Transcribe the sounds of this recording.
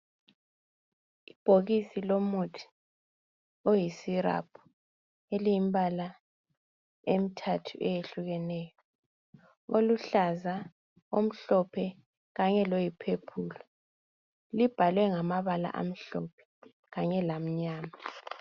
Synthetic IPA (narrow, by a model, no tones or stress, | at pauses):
ib̥ʱoɣisilomutʰi̥ | ojisiɾa̰pʰu̥ | elijimbala | em̩tʰatʰṵʔɛjeɬuɣɛnɛːjɔ | oluɬaza | om̩ɬɔpʰɛ | ɣaɲɛlojipʰepʰuːlɔ | lib̥ʱalwɛŋamaβala̰ʔa̰m̩ɬɔpʰɛ̥ | ɣaɲɛlam̩ɲaːma